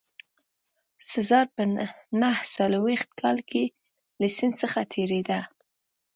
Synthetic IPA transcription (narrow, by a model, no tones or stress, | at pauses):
sazɑɾpənahsalwext̪̚kʰɑlke | lasɪnd̪səxat̪ʰeɾed̪a